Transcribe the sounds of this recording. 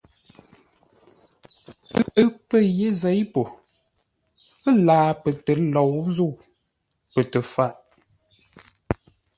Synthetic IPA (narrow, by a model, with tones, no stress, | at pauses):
ə˦ə˦pə˦˨je˦zɛ˨˦jpo˨ | ə˦laː˨˦pə˨tə˨˦lɔ˨wzu˦˨ | pə˨tə˨fa˦˨ʔ